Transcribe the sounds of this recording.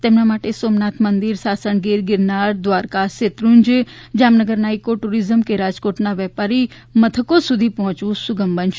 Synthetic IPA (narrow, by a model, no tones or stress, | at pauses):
t̪emnamaːʈesoːmnat̪ʰmənd̪iɾsaːsəɳɡiɾɡɪɾnaɽd̪ʋaːɾkaset̪ɾuɲd͡ʒd͡ʒaːmnəɡəɾnaːikoʈuɾizəmkeɾad͡ʒkoːʈnaʋjɛpaɾi | mət̪ʰəkosud̪ʱipɔɦɔ̃t͡ʃũsuɡəmbənʃ